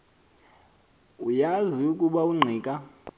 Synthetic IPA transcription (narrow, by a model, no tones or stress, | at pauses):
ujaziukʼuɓauŋ͡ǀʱiːkʼa